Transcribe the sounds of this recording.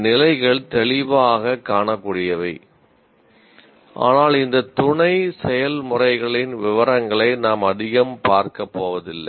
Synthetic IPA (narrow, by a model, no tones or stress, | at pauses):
nɪlɐɪɣɐɭt̪ɛɭɪʋaːɣɐkːaːɳɐkːuːɽɪjɐʋɐɪ | ʔa̰ːnaːlɪnd̪ɐt̪ʊɳɐɪsɛjɐlmʊrɐɪɣɐɭɪnʋɪʋɐɾɐŋɡɐɭɐɪnaːmɐðɪɣɐmpaːɾkɐpːoːʋɐðɪlːɐ